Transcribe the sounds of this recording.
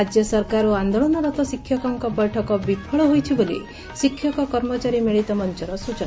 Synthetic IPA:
ad͡ʒjɔsɔɾkaɾuand̪ɔɭɔnɔɾɔt̪ɔsikʰːjɔkɔŋkɔpɔjʈʰɔkɔbikʰɔɭɔɦojt͡ʃʰibolḭ | sikʰːjɔkɔkɔɾmɔt͡ʃaɾimeɭit̪ɔmɔnt͡ʃɔɾɔsut͡ʃɔna

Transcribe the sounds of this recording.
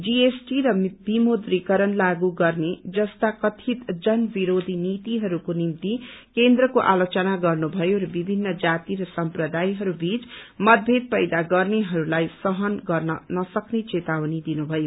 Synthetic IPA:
d͡ziesʈiɾʌbimod̪rikʌɾʌnlaɡuɡʌrned͡zʌst̪akʌt̪ʰit̪d͡zʌnbiɾod̪ʱinit̪iɦʌɾukonimt̪ikend̪ɾʌkoʔalot͡sʌnaɡʌrnubʱʌjoɾʌbibʱinːʌd͡zat̪iɾʌsʌmprʌd̪ajɦʌɾubit͡smʌd̪̚bʱed̪̚pʌjd̪aɡʌrneɦʌɾulajsʌɦʌnɡʌrnʌnʌsʌknet͡set̪awnid̪inubʱʌjo

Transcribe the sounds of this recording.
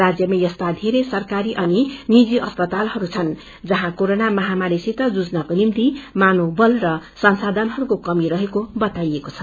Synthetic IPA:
ad͡zjʌmejʌst̪ad̪ʱeɾesʌrkaɾiʔʌninid͡ziʔʌspʌt̪alɦʌɾut͡sʰʌn | d͡zʌɦãkoɾonamʌɦamaɾisit̪ʌd͡zud͡znʌkonimt̪imanobʌlrʌsʌnsad̪ʱʌnɦʌɾukokʌmiɾʌɦekobʌt̪ajekot͡sʰʌ̥

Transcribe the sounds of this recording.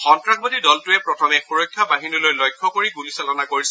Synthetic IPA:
xɔntɹaɡ̚bɔdidɔltʊɛpɹɔtʰɔmɛxuɹojkʰːabaɦinilojlɔjkʰːɔkoɹiɡulisalɔnakoɹisɛ

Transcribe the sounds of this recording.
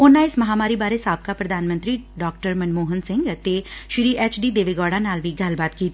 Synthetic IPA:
ʊnãɪsmɐɦaːmaːɾibaːɾesaːb̚kapɾɐd̪ʱaːnmə̃ɐnt̪ɾiɖɔːk̚ʈəɾmɐnmoːɦənsɪ̃ŋɡt̪eʃɾiːʔeːt͡ʃɖiːd̪eːʋeːɡɔːɽanaːlʋiːɡʱaːlbaːt̪kiːt̪

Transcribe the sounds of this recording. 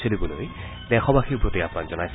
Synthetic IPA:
sʰolibuloj | nɛxʰɔbaxibʱot̪iapnanzɔnajs

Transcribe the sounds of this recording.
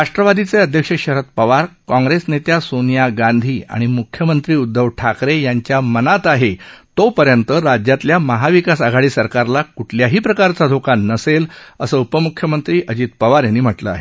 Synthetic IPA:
ɾaʂʈɾəʋad̪it͡seəd̪ʱjəkʂəɕəɾət̪̚pəʋaɾkɔ̃ŋɡɾesnet̪jasonjaɡãnd̪ʱiːa̰ɽ̃imukʰjəmənt̪ɾiːud̪ːəʋʈʰakɾejaɲt͡ɕjamənat̪aɦet̪opəɾjənt̪əɾad͡ʑjat̪ljaməɦaʋikasaɡʱaɽiːsəɾkaɾlakuʈʰljaɦiːpɾəkaɾt͡sad̪ʱokanːəseləsəːupəmukʰjəmənt̪ɾiːʔəd͡ʑiːt̪pəʋaɾjanːiːm̤əʈləa̰ɦe

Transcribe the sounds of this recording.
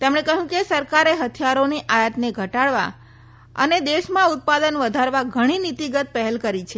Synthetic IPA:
t̪emɽ̃ekəɦjũkesəɾkaɾeɦət̪ʰjaɾoniʔajət̪neɡʱəʈaɽʋa̰ | ə̰ned̪eʃmãʊt̪̚pad̪ənʋəd̪ʱaɾʋaɡʱəɽ̃init̪iɡət̪̚pəɦɛlkəɾit͡ʃʰe

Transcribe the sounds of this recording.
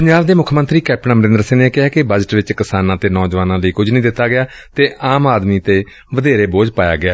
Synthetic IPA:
pəɲd͡ʒaːbd̪eːmʊkʰmə̃nt̪ɾiːkɛːp̚ʈnãːməɾɪ̃nd̪əɾsɪːneːkɪɦaːkɪbəd͡ʒʈʋɪt͡ʃkɪsaːnãːt̪eːnɔːd͡ʒʋaːnãːləiːkʊd͡ʒnəĩːd̪ɪt̪ːaːɡɪaː | t̪eːʔaːmaːd̪miːt̪eː | ʋəd̪eːɾeːboːd͡ʒpaːja̰ːɡɪaː

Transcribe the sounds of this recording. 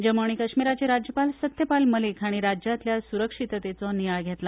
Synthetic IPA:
d͡ʑəmoɳ̃ikəɕmiɾat͡ɕeɾad͡ʑjəpalsət̪jəpalməlikʰaɽ̃iɾad͡ʑjat̪ljasuɾəkʂit̪t̪et͡sɔnijajɡʱet̪la

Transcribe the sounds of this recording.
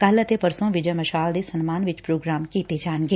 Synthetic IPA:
kɐlət̪epɐɾsõʋɪd͡ʒəjmɐʃaːld̪esɐnmaːnʋɪt͡ʃpɾoːɡɾaːmkiːt̪ed͡ʒaːnɡeː

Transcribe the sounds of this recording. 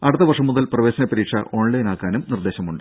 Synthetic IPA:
ɐɽut̪ːɐʋɐrʂɐmːuðɐlprɐʋe̞ːɕɐnɐpɐɾiːkʂɐ̰ʔoːɳlɐjnaːkːaːnumnird̪eːɕɐmuɳɖɨ

